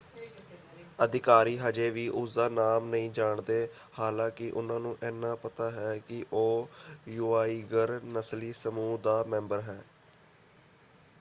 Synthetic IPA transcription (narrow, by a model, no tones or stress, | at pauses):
əd̪ɪkaːɾiːɦəd͡ʒeːʋiːʔʊsd̪aːnaːmnəĩːd͡ʒaːɳd̪eː | haːlãːkɪʔʊnãːnũːʔɛːnːãːpət̪aːɦɛːkɪʔoːjuːaːiːɡəɾnəsliːsəmuːd̪aːmɛ̃ːmbəɾɦɛː